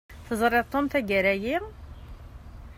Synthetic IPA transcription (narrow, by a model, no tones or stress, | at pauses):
θəzˤɾˤɪðˤt̪ˤːomθæɡəɾæji